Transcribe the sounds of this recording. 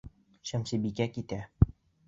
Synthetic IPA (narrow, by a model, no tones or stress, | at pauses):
ɕæmsibikækit̪æ